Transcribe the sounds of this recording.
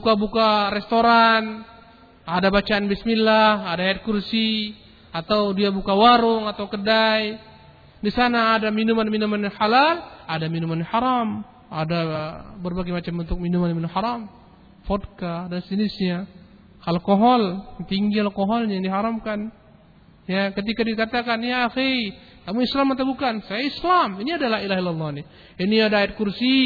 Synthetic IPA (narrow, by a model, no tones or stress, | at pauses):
bukabukaɾɛst̪oɾan | adabat͡ʃaanbismilːahadaat̪̚kursi | at̪awdiabukawaɾʊŋat̪awkədaj | disanaːdaminumanminumanhalaladaminumanhaɾam | adabərbaɡemat͡ʃambunt̪ʊk̚minumanjaminumhaɾam | fɔt̪̚kadansinɪsɲa | halkɔɦɔlt̪iŋɡialkɔɦɔlɲjaŋdiɦaɾamkan | jakət̪̬ikadikat̪akanjaːxi | t̪amuislamːat̪abukansajaislaminiadalahilaɦilːalːɑni | iniadaaɪt̪̚kursi